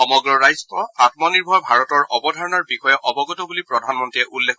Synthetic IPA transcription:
ɔmɔɡɹɔɹajzɔtɔatmɔniɹbʱɔjbʱaɹɔtɔɹʔɔbɔdʱaɹɔnɔɹbixɔjɛʔɔbɔɡɔtɔbulipɹɔdʱanmɔntɹiɛʔulːekʰ

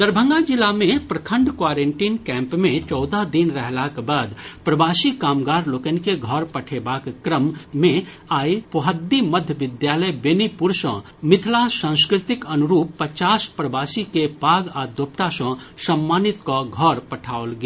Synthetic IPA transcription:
d̪əɾbʱə̃ŋɡad͡ʒɪlamẽpɾəkʰə̃ɳɖkwaːɾeɳʈiːnkɛ̃ːmpmẽt͡ʃɔːd̪ad̪inɾəɦlakbaːd̪pɾɐbaːsikaːmɡaːɾloːkənkeɡʱɔɾpəʈʰebaːkːɾəmːẽ | aːipoɦəd̪ːiməd̪ʱjəʋɪd̪jaːləjbenipuɾsɔ̃ | mɪt̪ʰlasãːskɾɪt̪ɪkənuɾuːpːət͡ʃaːspɾəbaːsikepaːɡad̪oːpʈasɔ̃sɐmːaːnit̪kɔɡʱɔɾpɐʈʰaːolɡe

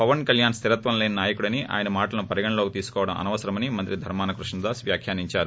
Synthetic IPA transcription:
pɐʋɐnkɐljaːnst̪ʰiɾɐt̪ʋɐnleːnɐnaːjɐkuɽɐniʔa̰ːjɐnɐmaːʈɐlɐnupɐɾiɡɐɳɐloːkit̪iːsu̥kɔːʋɐɽɐmʔɐ̰nɐʋɐsɐɾɐmɐnimɐnt̪ɾid̪ʱɐɾmaːnɐkɾuʂɳɐd̪aːsʋjaːkʰjaːniɲt͡ʃaːɾu

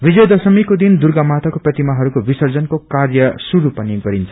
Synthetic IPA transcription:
bid͡zʌjd̪ʌsʌmikod̪ind̪urɡamat̪akoprʌt̪imaɦʌɾukobisʌrd͡zʌnkokarjʌsuɾupʌniɡʌɾint͡sʰʌ

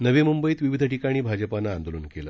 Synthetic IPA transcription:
nəʋemumbəiːt̪ʋiʋid̪ʱəʈikaɽ̃iːbʱad͡ʑəpanaːnd̪oluːnkelə

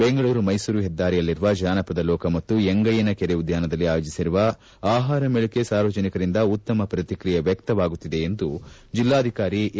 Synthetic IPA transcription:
beŋɡɐɭuːɾumɐjsuːɾuɦɛd̪ːaːɾɛjɐlːiɾuʋɐd͡ʒaːnɐpɐd̪ɐlɔːkɐmɐt̪ːueŋɡɐjɐnɐkeɾeud̪jaːnɐd̪ɐlːiaːjoːd͡ʒisiɾuʋɐ | aːɦaːɾɐmɛɭukesaːɾʋɐd͡ʒɐnikɐɾind̪ɐut̪ːɐmɐpɾɐt̪ikɾijɐʋjɐkt̪ɐʋaːɡut̪ːid̪e̞ːnd̪ud͡ʒilːaːd̪ʱikaːɾi

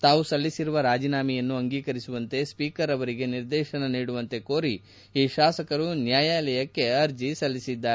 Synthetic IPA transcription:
t̪aːʋusɐlːisiɾuʋɐɾaːd͡ʒiːnaːmijɐnːuɐŋɡiːkɐɾisuʋɐnt̪e̞spiːkɐɾɐʋɐɾiɡe̞niɾd̪ɛːʃɐnɐniːɽuʋɐnt̪e̞ko̞ːɾi | iːʃaːsɐkɐɾunjaːjaːlɐjɐkːe̞ɐɾd͡ʒisɐlːisid̪ːaːɾe

